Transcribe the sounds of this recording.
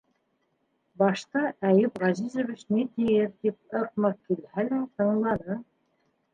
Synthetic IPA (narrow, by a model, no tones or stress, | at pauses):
bɑʃt̪ɑʔæjɘpʁɑzizŏvit͡ɕnit̪ijɘɾt̪ip̚ɤ̆q̚mɑkilhælæt̪ɤ̆ɴlˠɑnɤ